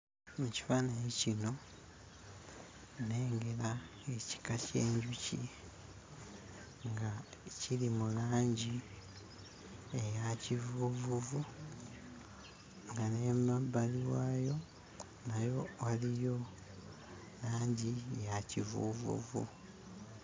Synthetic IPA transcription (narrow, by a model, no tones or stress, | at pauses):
muci̥faːnajicino̞ | ne̞ːŋɡe̞la | e̞ci̥kace̞ːɲɟucḭ | ŋɡacilimulaːɲɟi | ejacivuvuvu | ŋɡane̞mabːaliwaːjo̞ | najo̞walijo̞ | laːɲɟijacivṵvṵvṵ